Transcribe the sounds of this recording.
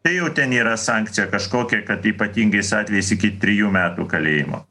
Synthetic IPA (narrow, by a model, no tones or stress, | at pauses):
t̪ɐɪjɛʊt̪ʲɛniːɾɐsɑːŋkt̪sʲɪjɛkɐʃkoːkʲɛkɐt̪iːpɐt̪ʲiːŋɡɐɪsɑːt̪ʲʋʲɛjɛɪsɪkʲɪt̪ʲɾʲɪjuːmʲæːt̪ṵːkɐlʲeːjɪmo̰ː